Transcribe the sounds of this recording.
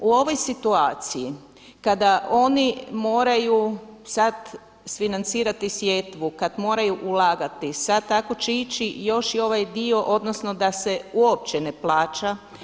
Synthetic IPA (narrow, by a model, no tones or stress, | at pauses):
uo̞ʋo̞jsit̪uaːt̪siji | kad̪ao̞nimo̞ːɾajusad̪ | sfinant̪siːɾat̪isʋje̞t̪ʋukad̪mo̞ːɾajuʔulaːɡat̪isad̪̚t̪ako̞t͡ʃeit͡ʃijo̞ʃio̞ʋajd̪io̞ʔod̪no̞sno̞d̪ase̞uop̚t͡ɕeneplˠaːt͡ʃa